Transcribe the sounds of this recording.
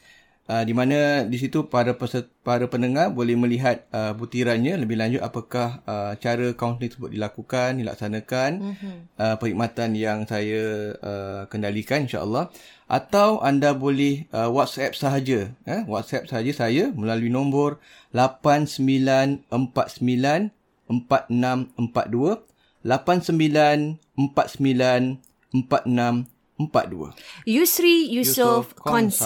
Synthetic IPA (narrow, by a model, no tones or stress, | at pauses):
ədimãnãdis̬it̪upaɾaəsəpaɾapənəŋahbolɛhməliɦat̪̚əbut̪iɾanɲãləbɪhlaɲd͡ʒʊt̪̚apakahət͡ʃaɾəkaunt̪nit̪səbʊt̪̚dilakukandila̰k̚sanãkanʔəpəɾik̚mat̪anjaŋsajaəkəndalikaninʃa̰ʔə̰lːɑh | ʔa̰t̪awʔandabolɪhəwɔt̪̚sɛp̚səɦad͡ʒaəwat̪̚sɛp̚saɦad͡ʒasaajaməlaluinombʊr | lapansəmbilanəmpat̪̚səmbilan | əmpat̪̚nãməmpa̰t̪̚duə | lapansəmbilan | əmpat̪̚səmbilan | əmpat̪̚nãm | əmpa̰t̪̚dṵə̰jusɾijusofkɔns